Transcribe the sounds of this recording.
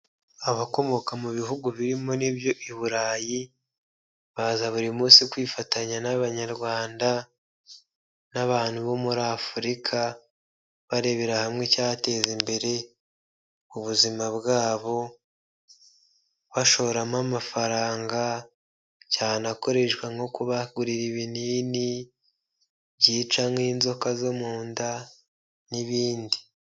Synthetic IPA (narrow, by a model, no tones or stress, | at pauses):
aβako̞mo̞kamuβiɦuɡuβiɾimo̞nibjo̞ʔiβuɾaːji | βazaβuɾimuːsikwiːfataɲanaβaɲaɾɡwaːnda | naβaːn̥huβo̞muɾafuɾikʰa | βaɾe̞βe̞ɾahamŋe̞caate̞ːzimbe̞ɾe̞ | uβuzimaβɡaːβo̞ | βaʃo̞ɾamamafaɾaːŋɡa | caːnako̞ɾe̞ʃɡwaŋo̞kuβaɡuɾiɾiβiniːni | βɟiːt͡ʃamiːnzo̞kazo̞muːnda | niβiːndi